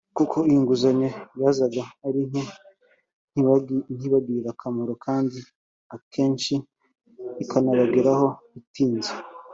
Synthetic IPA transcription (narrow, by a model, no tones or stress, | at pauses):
kukʰo̞ijuŋɡuzaɲejaːzaɡaːɾini | nin̥hiβaɡiɾakʰamoɾokʰaːndi | akʰe̞ːnʃiː | kʰanaβaɡeɾaho̞ | itiːnze